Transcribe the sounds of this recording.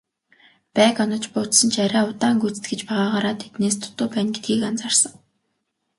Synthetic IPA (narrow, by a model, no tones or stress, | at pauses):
pæːkɔnɞ̆t͡ɕpʊːt̪sɞ̆nt͡ɕʰæɾʲæːʊt̪aːŋɡut͡sɘ̥t̪ɡĕt͡ɕpæʁaːʁaɾaːt̪ʰːet̪neːs̬t̪ʰʊ̥t̪ʊːpæːnɡet̪̚ɡiːkant͡sarsə̆ŋ